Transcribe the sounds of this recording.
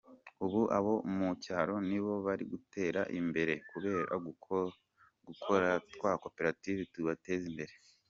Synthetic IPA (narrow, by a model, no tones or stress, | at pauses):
uβuʔa̰βo̞mucaːɾo̞niβo̞βaɾḭɡutʰe̞ːɾaʔimbe̞ɾe̞kuβe̞ːɾa̰ | ɡukʰoɾatkwaːko̞peɾativituβate̞zimbe̞ɾe̞